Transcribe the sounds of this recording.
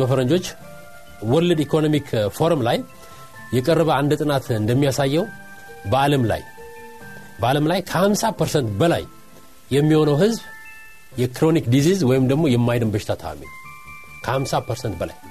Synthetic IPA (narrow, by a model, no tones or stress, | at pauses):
bəfəɾəɲd͡ʒo̞t͡ʃː | wɔlːɨd̪ikʰo̞nomikʰfo̞ɾmlajː | ɛkʼərːəβəand̪t̪ʼɨnat̪ɨnd̪əmːijasajːɛw | bəaləmla̰j | bəaləmlajkʰəhamsapʰəɾsənt̪bəla̰jː | ɛmːiho̞nəwɦɨzb | jɛkʰɾo̞nikd̪izizwɔjɪmd̪əɡmo̞jɛmːajd̪ɨmbəʃɪ̥t̪ʰat̪ʰa̰wa̰mḭn | kʰəhamsapʰəɾsənt̪bəla̰j